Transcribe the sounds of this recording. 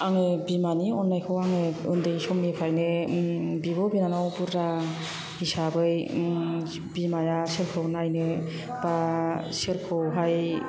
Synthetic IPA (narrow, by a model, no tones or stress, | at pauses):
aŋebimaniɔnːajkʰɯwaŋeɯ̰ndɯjsɔmːipʰajnɯ | bibɔbinanɔwbuɾɾa | hisabɯj | bimajaseɾkʰɯwnajnɯ | baseɾkʰɯwɦaj